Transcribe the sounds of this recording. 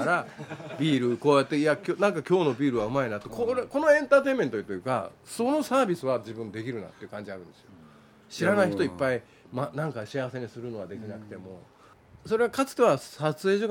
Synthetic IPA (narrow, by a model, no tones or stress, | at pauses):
ɾabʲiːɾɯko̞ːjat̪ːe̞iakʲoːnãŋkakʲo̞ːno̞bʲiːɾɯ̟βaɯ̟mainat̪ːo̞koɾko̞no̞ẽ̞nt̪aːt̪e̞ime̞nt̪oit̪ojɯ̟ːka̰so̞no̞saːbʲisɨβad͡ʑibɯ̟̃nd̪e̞kʲiɾɯ̟na̰t̪ːeiɯ̟kãɲ̟d͡ʑiaɾɯ̟̃nd̪esɨjo̞ | ɕiɾanaiçit̪oipːai | manãŋkaɕiaβase̞ɲisɨɾɯ̟no̞ad̪e̞kʲinakɯ̟̥t̪e̞mo̞ | so̞ɾe̞ɡakat͡sɨ̥t̪e̞βasat͡sɨe̞ːʑok